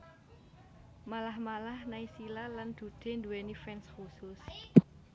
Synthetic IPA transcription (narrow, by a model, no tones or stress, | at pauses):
malahmalahnaisilaland̪̥ṳd̪̥e̤nd̪uwenifɛnskusʊs